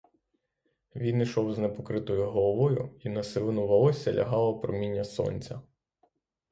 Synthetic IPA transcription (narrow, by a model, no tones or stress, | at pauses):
ʋʲinijʃɔwznepɔkɾɪt̪ɔjʊɦɔlˠɔʋɔjʊ̰inɐsɪlˠɪnʊʋɐɔsʲɐlʲɐ̰ɦɑlˠɐpɾɔmʲinʲːɐsɔ̰nʲt͡sʲɐ